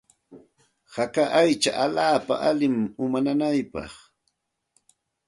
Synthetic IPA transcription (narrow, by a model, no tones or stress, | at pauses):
hakaʔajt͡ʃa̰ʔalaːpa̰ʔalɪmʊmananajpɑ̰χ